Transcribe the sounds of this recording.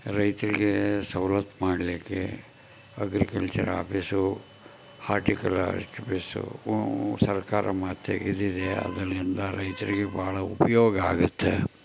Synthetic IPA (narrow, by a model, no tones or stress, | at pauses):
ɾɐjt̪ɐɾiɡesɐwlɐt̪maːɽlikːḛ | ɐɡɾikɐlt͡ʃɐɾa̰ːpʰisu | haːɾʈikɐla̰ʈpisṵ | sɐɾkaːɾɐ̰maːt̪ʰːeɡid̪id̪eɐ̰d̪ɐlind̪ɐɾɐjt̪ɐɾiɡe̞baːɭɐupɐjoːɡɐaːɡut̪ːe